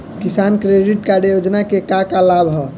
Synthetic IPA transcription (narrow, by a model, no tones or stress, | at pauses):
kisankɾeɖiʈkaɾjod͡ʒnakekakalabʱɦɔ